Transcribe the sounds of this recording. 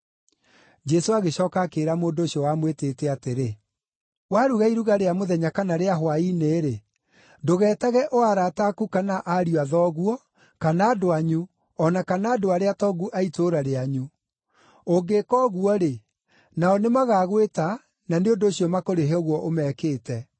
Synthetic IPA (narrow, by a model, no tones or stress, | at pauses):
d͡ʒɛsoaɣeɕɔːkakeɾamoːndoːɕiɔwamweteːtɛateɾe | waɾuɣaiɾuɣaɾeamoðɛɲakanaɾeaɦwaineɾe | doɣɛːtaɣɛʔoaɾatakukanaʔaɾiaðɔɣuɔ | kanaːdoaɲu | ɔnakanaːdoaɾeatɔɡuʔaitoɾaɾeaɲu | oɡekɔɣuɔɾe | naɔnemaɣaːɣweta | naneondoːɕijɔmakoɾeɦeɔoɣwɔʔomɛːkeːtɛ